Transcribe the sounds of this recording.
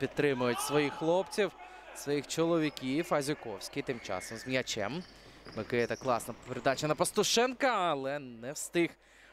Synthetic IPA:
pʲid̪̚t̪ːɾɪmʊjʊtʲsʋɔjixxlˠɔpt͡sʲiw | sʋɔjixt͡ʃɔlˠɔʋʲikʲifɐzʲʊkɔwsʲkʲit̪ɪmt͡ʃɑ̰sɔmzmʲjʲɐt͡ʃɛ̰m | mɪkɪjɛt̪ɐklˠɑsnɐpeɾed̪ɑt͡ʃɐnɐpɐst̪ɔʃɛnkɐɐlˠɛnɛwst̪ɪx

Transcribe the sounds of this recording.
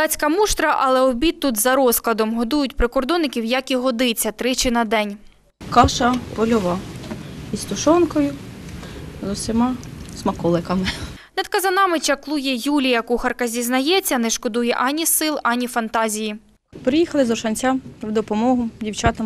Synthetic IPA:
d̪ɑt͡sʲkɐmuʃt̪ɾɐʔɐlˠɛɔbʲit̪ːut̪zɐɾɔsklˠɐd̪ɔmɦɔd̪ujʊtʲpɾɪkɔrd̪ɔnɪkʲiwjɐkiɦɔd̪ɪt͡sʲːɐt̪ɾɪt͡ʃɪnɐd̪ɛnʲ | kɑʃɐpɔlʲɔʋɑ | ist̪ʊʃɔnkɔjʊ | zɔwsʲɪmɑsmɐkɔlˠɪkɐmɪ | nɐd̪kɐzɐnɑmɪt͡ʃɐklˠujɛjulʲijɐkuxɐrkɐzʲiznɐjɛt͡sʲːɐnɛʃkɔd̪ujɛ̰ʔɑnʲisɪlˠɑnʲifɐnt̪ɑzʲiji | pɾɪjixɐlˠɪzɔʃɐnʲt͡sʲawd̪ɔpɔmɔɦʊdʲiwt͡ʃɑt̪ɐm

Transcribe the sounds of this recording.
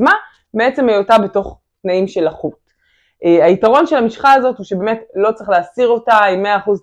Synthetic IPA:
ma | beet͡se̞majotabe̞to̞χ | tnaimʃe̞laχut | ʔeaitaʁo̞nʃe̞lhamiʃχaːzo̞thuʃebeːme̞tlo̞t͡sʁiχleːsiʁo̞taimːe̞aːχuz

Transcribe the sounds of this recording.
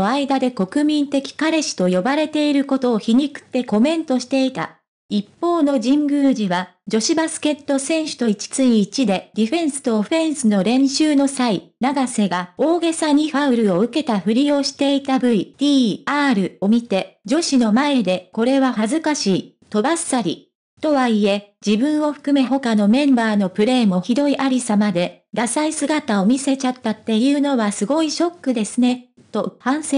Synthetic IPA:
aid̪ad̪e̞ko̞kɯ̟mʲĩnt̪e̞kʲi̥kaɾe̞ɕi̥t̪o̞jo̞baɾe̞t̪e̞iɾɯ̟ko̞t̪o̞ːçiɲ̟ikɯ̟̥t̪ːe̞ko̞mẽ̞nt̪o̞ɕi̥t̪e̞it̪a̰ | ipːo̞ːno̞d͡ʑĩŋɡɯ̟ːʑiβad͡ʑo̞ɕibasɨ̥ke̞t̪ːo̞sẽ̞ɰ̃ɕɨ̥t̪o̞it͡ɕi̥t͡sɨiːt͡ɕid̪e̞d̥̪ʲiɸẽ̞ɰ̃sɨ̥t̪o̞ːɸẽ̞ɰ̃sɨno̞ɾẽ̞ɰ̃ɕɨːno̞sainaɡase̞ɡao̞ːɡe̞saɲ̟iɸaɯ̟ɾɯ̟o̞ɯ̟ke̞t̪aɸɯ̟ɾʲio̞ːɕi̥t̪e̞it̪abɯ̟id̪̥ʲiːaːɾɯ̟o̞mʲit̪e̞d͡ʑo̞ɕino̞mae̞d̪e̞ko̞ɾe̞βahazɨkaɕiː | t̪o̞basaɾʲḭ | t̪o̞βaie̞d͡ʑibɯ̟̃ɰ̃o̞ɸɯ̟̥kɯ̟me̞ɦo̞kano̞mẽ̞mbaːno̞pɯ̟ɾe̞ːmo̞çid̪o̞iʔaɾʲisamad̪e̞ | d̪asaisɨɡat̪ao̞mʲise̞t͡ɕat̪ːat̪ːe̞jɯ̟ːno̞βasɨɡo̞iɕo̞kːɯ̟d̪e̞sɨne̞ | t̪o̞hãɰ̃se

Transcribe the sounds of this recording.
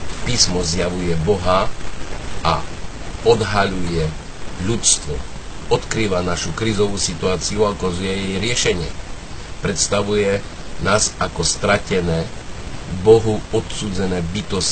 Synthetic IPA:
piːsmɔzjaʋujɛbɔɦa | a̰ | ɔd̪ɦaʎujɛ | ʎutst̪ʋɔɔt̪kɾiːʋanaʃukɾiːzɔʋuːsit̪uaːt͡siuakazujɛjɛjɾɪɛʃɛɲɪɛ̰ | pɾɛt̪st̪aʋujɛ | naːzakɔst̪ɾacɛnɛː | bɔɦuɔt̪suːd͡zɛnɛːbit̪ɔs

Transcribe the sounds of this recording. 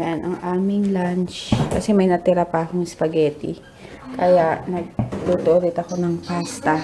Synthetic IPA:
ʔanʔɐŋʔaːmɪŋlant͡ʃkɐsɛmɐjnɐt̪ɪɾapɐʔɐkoŋɪspɐɡɛːt̪ɪ | kɐjaʔnɐɡ̚t̪ut̪oʔod̪ɪt̪ɐko̞nɐŋpaːst̪ɐ

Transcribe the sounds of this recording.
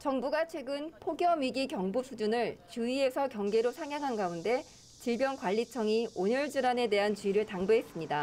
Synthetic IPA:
t͡ɕʌŋbuɡat͡ɕʰwe̞ɡɯnpʰoɡjʌmɥiɡikjʌŋbusʰud͡ʑunɯɭt͡ɕuie̞sʰʌkjʌŋɡe̞ɾosʰaŋjaŋɦanɡaunde̞ | t͡ɕiɭbjʌnkwaʎːit͡ɕʰʌŋioɲʌɭd͡ʑɯɾane̞de̞ɦant͡ɕuiɾɯɭtaŋbɯɦe̞s͈ɯmɲida

